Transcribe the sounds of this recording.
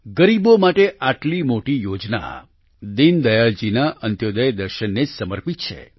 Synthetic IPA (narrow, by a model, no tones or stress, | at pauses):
ɡəɾibomaʈeʔaʈlimoʈijod͡ʒna̰ | d̪ind̪əjaɭd͡ʒinaʔənt̪jod̪əjd̪əɾʃənːed͡ʒsəməɾpit̪̚t͡ʃʰḛ